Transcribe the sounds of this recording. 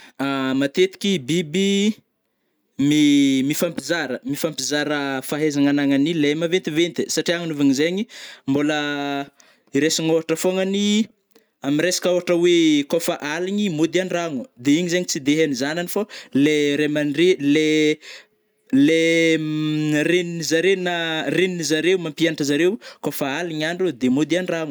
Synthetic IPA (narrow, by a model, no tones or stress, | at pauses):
amat̪et̪i̥kʲibibi | mimifampizaɾəmifampizaɾəfaɦezaŋanaŋanilemavent̪ivent̪isaʈ͡ʂiaŋunuvaɲizeɲimbolə | iɾesiŋoɦaʈ͡ʂəfoŋəni | amiɾesḁkəoaʈ͡ʂəwekofaʔaliɲimud̪ianiraŋud̪eiɲizeɲit͡sid̪eɦanizananifoleɾemanrele | le | ɾeninizaɾenareninizaɾewmampianaʈ͡ʂəzaɾewkofaaliɲaɳɖ͡ʐud̪emud̪ianiraŋu̥